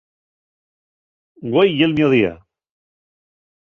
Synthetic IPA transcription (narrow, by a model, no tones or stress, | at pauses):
ɡwejjelmjoðia̰